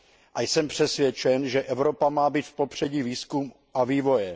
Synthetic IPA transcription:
ʔajsɛmpr̝̥ɛsvjɛt͡ʃɛnʒɛʔɛvɾo̞pamaːbiːt̪fpo̞pr̝̥ɛɟiːviːskum | ʔaviːvo̞jɛ

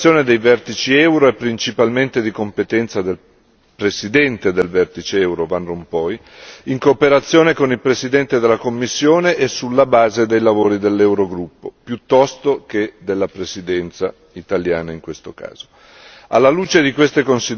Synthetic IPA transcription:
joːned̪ejvɛrt̪it͡ʃiɛwɾoepːɾint͡ʃipalment̪ed̪ikompet̪ɛnt̪sad̪el | pɾesid̪ɛnt̪ed̪elvɛrt̪it͡ʃeɛwɾovanrompɔj | iŋkoːpeɾat̪sːjoːnekonilpɾesid̪ɛnt̪ed̪elːakomːisːjoːneʔːsːulːabaːzed̪ejlavoːɾid̪elːɛwɾoɡɾupːopjut̪ːɔst̪ok̟ed̪elːapɾesid̪ɛnt̪sa | it̪aljaːnaiŋkwest̪oka̰ːz̥o | a̰lːaluːt͡ʃed̪ikwest̪ekonsi

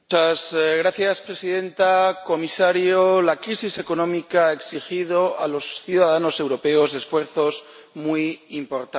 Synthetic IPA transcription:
azɣɾaθjaspɾe̞siðẽ̞nt̪ako̞misaɾjolakɾisise̞ko̞nõ̞mikaaeksixið̞o̞alo̞sθjuðaðano̞se̞wɾo̞pe̞o̞zðe̞sfwe̞ɾθo̞z | mwujimpo̞ɾt̪a

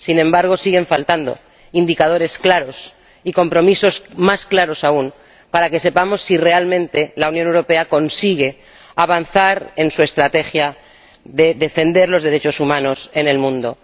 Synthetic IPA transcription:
sinẽ̞mbaɾɣ̞o̞siɣe̞ɱfalt̪and̪o̞̰ | ind̪ikaðo̞ɾe̞sklaɾo̞s | iko̞mpɾo̞miso̞smasklaɾo̞saun | paɾake̞se̞pamo̞sːire̞almẽ̞nt̪e̞launjonewɾo̞pe̞ako̞nsiɣ̞e̞ | aβanθaɾe̞nsue̞st̪ɾat̪e̞xja | ðe̞ðe̞fe̞nd̪e̞ɾlo̞zðeɾe̞t͡ʃo̞sumãno̞se̞ne̞lmũnd̪o̞

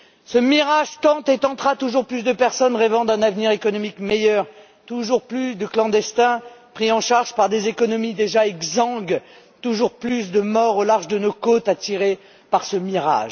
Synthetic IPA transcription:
səmiʁaʒt̪ɑ̃t̪et̪ɑ̃t̪χat̪uʒuʁplysd̪əpɛʁsɔnʁɛvɑ̃d̪ɛ̃navniʁekɔnɔmikmejœʁ | t̪uʒuʁplysd̪əklɑ̃d̪ɛst̪ɛ̃pχiɑ̃ʃaʁʒpaʁd̪ezekɔnɔmid̪eʒaɛɡzɑ̃ɡ | t̪uʒuʁplys̬d̪əmɔʁolaʁʒd̪ənokot̪at̪iʁe | paʁsəmiʁa̰ʒ

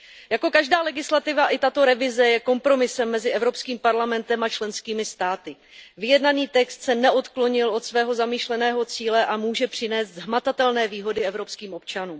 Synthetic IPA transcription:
jako̞kaʒdaːlɛɡɪslat̪ɪvaʔɪt̪at̪o̞ɾɛvɪzɛjɛko̞mpɾo̞mɪsɛmːɛzɪɛvɾo̞pskiːmpaɾlamɛnt̪ɛmat͡ʃlɛnskiːmɪst̪aːt̪ɪ | vɪjɛdnaniːt̪ɛkst̪sɛnɛʔo̞t̪kloɲɪlo̞t̪svɛːɦo̞zamiːʃlɛnɛːɦo̞t͡siːlɛʔamuːʒɛpr̝̥ɪnɛːsd̪zɦmat̪at̪ɛlnɛːviːɦo̞dɪɛvɾo̞pskiːmʔo̞p̚t͡ʃanuːm

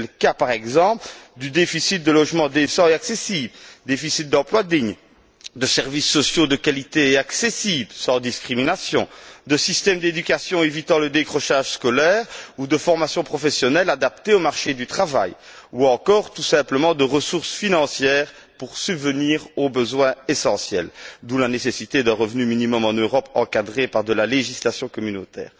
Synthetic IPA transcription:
lkapaʁɛɡzɑ̃pld̪yd̪efisit̪̚d̪əlɔʒmɑ̃d̪esɑ̃eaksesibld̪efisit̪̚d̪ɑ̃plwad̪iɲ | d̪əsɛʁvisːɔsjod̪əkalit̪eeaksesiblsɑ̃d̪iskχiminasjɔ̃d̪əsist̪ɛmd̪ed̪ykʲasjɔ̃evit̪ɑ̃ləd̪ekχɔʃaʒskɔlɛːʁud̪əfɔʁmasjɔ̃pχɔfesjɔnɛlad̪ap̚t̪eomaʁʃed̪yt̪χava̰juɑ̃kɔʁt̪usɛ̃pləmɑ̃d̪əʁəsuʁsfinɑ̃sjɛːʁ | puʁsybvəniːʁobəzwɛ̃esɑ̃sjɛ̰ld̪ũlanesesit̪ed̪ɛ̃ʁəvnyminimɔmɑ̃nøʁɔpɑ̃kad̪ʁepaʁd̪əlaleʒislasjɔ̃kɔmynot̪ɛ̰ːʁ

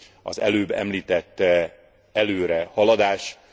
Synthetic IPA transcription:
ɒ̰zɛ̰løːbɛ̰mliːt̪ɛt̪ː | ɛløːɾɛhɒlɒd̪aːʃ

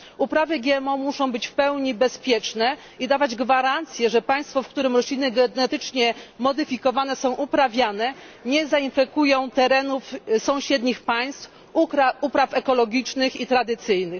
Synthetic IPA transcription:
upɾavɘɡʲjɛɛmɔmuʂɔ̃w̃bɘt͡ɕfpɛwɲibɛspʲjɛt͡ʂnɛ | id̪avad͡ʑɡvaɾant̪sʲjɛʐɛpaj̃st̪fɔfkt̪uɾɘmɾɔɕlʲinɘɡɛnɛt̪ɘt͡ʂɲɛmɔd̪ɘfʲikɔvanɛsɔ̃w̃ʔupɾavʲjanɛ | ɲɛzainfɛkujɔ̃w̃t̪ɛɾɛnufsɔ̃w̃ɕɛd̪ɲixpaj̃st̪f | upɾafɛkɔlɔɡʲit͡ʂnɘxit̪ɾad̪ɘt̪sɘjnɘx

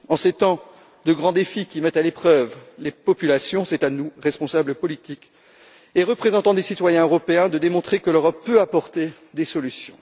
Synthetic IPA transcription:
ɑ̃set̪ɑ̃ | d̪əɡʁɑ̃d̪efikʲimɛt̪alepχœvlepɔpylasjɔ̃sɛt̪anuʁɛspɔ̃sabləpɔlit̪ik | eʁəpχezɑ̃t̪ɑ̃d̪esit̪wajɛ̃øʁɔpeɛ̃d̪əd̪emɔ̃t̪χekəløʁɔpːøapɔʁt̪e | d̪esɔlysjɔ̰̃

